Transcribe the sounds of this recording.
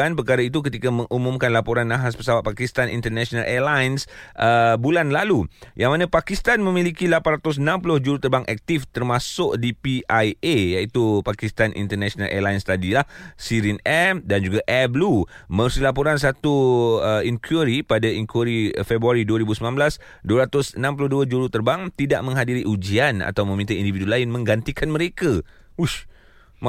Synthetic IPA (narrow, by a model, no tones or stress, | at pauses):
anpərkaɾait̪̬ukət̪ikamə̃ŋʔumũmkanlapoɾanːãɦaspəsawat̪̚pakist̪anʔḭnt̪ərnɛʃonalʔɛlajnsʔəbulanlalujaŋmanãpakist̪anmə̃milikilapanrat̪ʊs̬ənãmpulʊhd͡ʒuɾut̪ərbaŋʔɛk̚t̪ift̪ərmãsʊkdipiʔajejait̪upakist̪anʔḭnt̪ərnɛʃona̰lʔɛ̰lajnst̪adilahsiɾinɛmdand͡ʒuɡaʔɛblumə̃rsilapuɾans̬at̪uəiŋkʰuɾipadaiŋkuɾifɛbɾuaɾiduaɾibusəmlãnblas | duaɾat̪ʊsənãmpulʊhduad͡ʒuɾut̪ərbaŋt̪idaʔmə̃ŋɦadiɾiʔud͡ʒiana̰t̪awmə̃mĩnt̪aindividulaɪnmə̃ŋɡant̪ikʰanməɾeka | uʃ | ma